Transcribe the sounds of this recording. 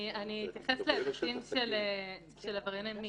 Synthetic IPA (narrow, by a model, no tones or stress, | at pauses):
aniːt̪jaχesleːvasimʃele | ʃelavaʁinami